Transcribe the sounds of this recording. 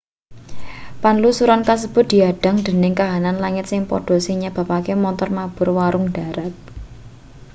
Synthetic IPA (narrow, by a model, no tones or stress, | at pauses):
panlusuɾankas̬əb̥ʊ̤t̪̚d̪̥i̤aɖ̥a̤ŋd̪̥ə̤nɪŋkaɦananlaŋɪt̪̚sɪŋpɔ̰ɖ̥ɔ̤siɲab̥ä̤pakemɔnt̪ɔrmab̥ʊ̤rwaɾʊŋɖ̥a̤ɾat̪̚